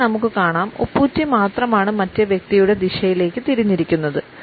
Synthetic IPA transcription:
nɐmukːɨkaːɳaːmṵpːuːtːimaːt̪rɐmaːɳɨmɐtːeʋjek̚t̪ijuɽe̞d̪iɕɐjile̞ːkːɨt̪iɾuɲːiɾikʲːun̪ːɐðɨ

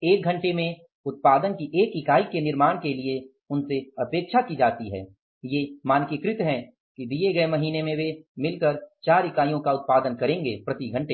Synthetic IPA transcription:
eːk̚ɡʱɐ̃ɳʈemẽ | ʊt̪̚paːd̪ənkiʔeːkɪkaːikenɪɾmaːɽ̃kelie | ʊnseɐpeːkʃakid͡ʒaːt̪iɦɛ̰ː | jemaːnkikɾɪt̪ɦɛ̃ | kid̪ieɡɐemɐɦiːnemẽʋemɪlkəɾt͡ʃaːɾɪkaːjõkaʊt̪̚paːd̪ənkɐɾẽːŋɡepɾɐt̪iɡʱɐ̃ɳʈeː

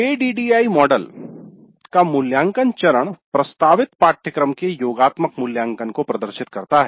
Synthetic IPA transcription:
eːɖiːɖiːaːimɔːɖəl | kamʊljãːŋkənt͡ʃɐɾəɽ̃pɾɐst̪aːʋɪt̪paːʈʰjəkɾəmkejoːɡaːt̪məkmʊljãːŋkənkopɾɐd̪əɾʃɪt̪kɐɾt̪aɦɛ

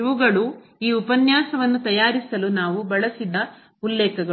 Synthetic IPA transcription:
iʋuɡɐɭu | iːupɐnjaːsɐʋɐnːut̪ɐjaːɾisɐlunaːʋubɐɭɐsid̪ɐ | ulːɛːkɐɡɐ

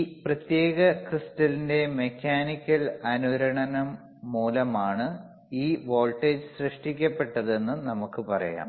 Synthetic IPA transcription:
iprɐt̪je̞ːɣɐkristɐlinde̞mekʲʰːaːnikʲːɐlɐnuɾɐɳɐnɐmː | uːlɐmaːɳɨ | iːʋo̞ːlʈeːd͡ʑɨsrɨʂʈikʲːɐpːe̞ʈːɐðe̞nːunɐmukːɨpɐrɐ̰ja̰ːm

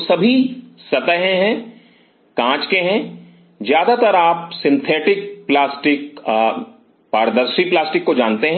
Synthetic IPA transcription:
sɐbʱisɐt̪əɦẽɦɛ̃ | kãːt͡ʃkeɦɛ̃ | zjaːd̪at̪ɐɾaːpsɪ̃nt̪ʰeːʈɪk̚plaːsʈɪk | paːɾd̪əɾʃiplaːsʈɪkːod͡ʒaːnt̪eɦɛ̃

